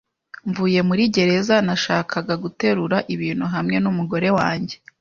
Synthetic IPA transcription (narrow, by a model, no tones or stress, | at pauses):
ɱvuːje̞muɾiɟe̞ɾe̞zanaʃaːkʰaɡaɡute̞ɾuɾaʔiβiːn̥huɦamŋe̞numuɡo̞ɾe̞waːɲɟe̞